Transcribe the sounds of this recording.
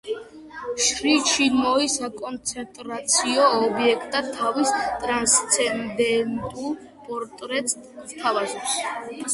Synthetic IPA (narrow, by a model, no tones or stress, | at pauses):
ʃɾit͡ʃʰimɔisakʼɔnt̪sʰɛnt̪ʼɾat̪sʰiɔːbiɛkʰt̪ʼat̪ʰːavist̪ʼɾanst̪sʰɛnd̪ɛnt̪ʼul | pʼɔɾt̪ʼɾɛt̪ʼst̪ʰavazɔps